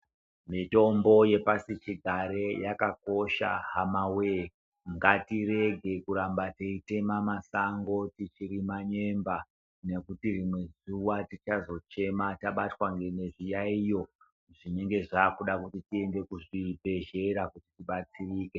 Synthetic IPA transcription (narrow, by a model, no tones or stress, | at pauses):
mito̞mbo̞je̞pasit͡ʃiɡʱaɾe̞jakako̞ʃa̰ɦamawe | ŋɡatiɾe̞ɡʱe̞kuɾambateite̞mamasaŋɡo̞tit͡ʃiɾimaɲe̞mba | ne̞kutirimwe̞zuwatit͡ʃazo̞t͡ʃe̞mataɓatwaŋɡe̞ne̞ʐijaijo̞ | ʐine̞ŋɡe̞ʐaːkuɗakutitie̞nde̞kuʐibʱe̞ʒe̞ɾakutitiɓat͡siriːke